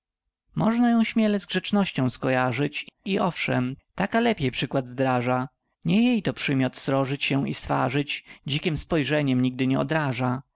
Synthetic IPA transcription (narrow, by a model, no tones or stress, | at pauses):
mɔʐnajɔ̃w̃ɕmʲjɛlɛzɡʐɛt͡ʂnɔɕt͡ɕɔ̃w̃skɔjaʐɘt͡ɕiʔɔfʂɛmt̪akalɛpʲjejpʂɘkwad̪vd̪ɾaʐa | ɲɛjejt̪ɔpʂɘmʲjɔt̪sɾɔʐɘt͡ɕɕɛḭsfa̰ʐɘt͡ɕd͡ʑikʲimspɔjʐɛɲɛmɲiɡ̚d̪ɘɲɛɔ̰d̪ɾaʐa